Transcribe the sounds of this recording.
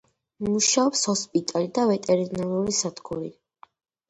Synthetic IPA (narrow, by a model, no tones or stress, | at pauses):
muʃaɔpshɔspʼit̪ʼalid̪avɛt̪ʼɛɾinaluɾisad̪ɡʰuɾḭ